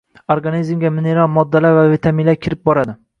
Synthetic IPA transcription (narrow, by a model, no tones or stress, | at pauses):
oɾɡanizmɡʲamɪneɾalˠmɒd̪ːalaɾvavit̪ʰamilaɾkʲʰɪɾɪp̚bɒɾad̪ɪ